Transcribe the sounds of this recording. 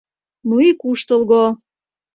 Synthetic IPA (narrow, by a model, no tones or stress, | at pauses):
nuikuʃt̪ə̆lɣo